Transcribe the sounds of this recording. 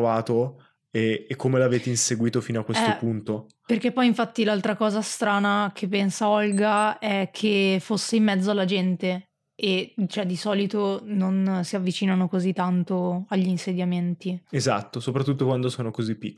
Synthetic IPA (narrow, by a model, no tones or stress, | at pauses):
vaːt̪o | eːkʰːomelaveːt̪einseɡwiːt̪ofiːnoakːwest̪opunt̪o | perk̟epːɔjiɱfat̪ːilalt̪ɾakɔːzast̪ɾaːnakʰepːɛnsaɔlɡaɛkʰːefosːeimːɛd̪zːoalːad͡ʒɛnt̪e | et͡ʃoɛd̪ːisɔːlit̪ononsiavːit͡ʃiːnanokozit̪ːant̪oaʎːiːnsed̪jament̪iezat̪ːosopɾat̪ːut̪ːokwand̪osoːnokozipːikːo